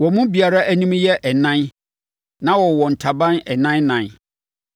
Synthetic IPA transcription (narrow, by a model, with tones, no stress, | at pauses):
wɔ˨mũ˦bi˨a˨ɾa˦ʔæ˦nĩ˦mjɛ˦ʔɛ˨nã˦n | nã˦wɔ˨wɔ˨n̩˨tʰa˨bã˦nɛ˨nã˦nnã˨n